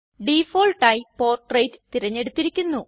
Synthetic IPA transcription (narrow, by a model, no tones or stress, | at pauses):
ɖifo̞ːlʈːaːjipo̞ːrʈrejtt̪iɾɐɲːe̞ɽut̪ːiɾikʲːunːu